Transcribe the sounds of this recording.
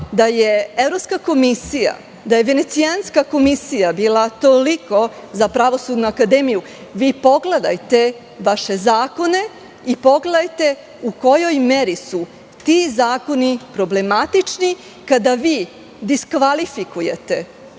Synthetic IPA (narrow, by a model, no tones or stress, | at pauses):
d̪ajeevɾopskako̞misija̰ | d̪ajeʋe̞ne̞t̪sianskako̞misijabiːlat̪o̞liko̞zapɾaʋo̞sud̪nuakad̪e̞ːmiju | ʋiːpo̞ɡle̞d̪a̰jt̪e̞ | ʋaʃe̞zaːko̞ne̞ | ipo̞ɡled̪ajt̪e̞ | uko̞jo̞jmeɾisu | t̪izaːko̞nipɾo̞ble̞mat̪it͡ʂni | kad̪aʋiː | d̪iskʋalifikujet̪e̞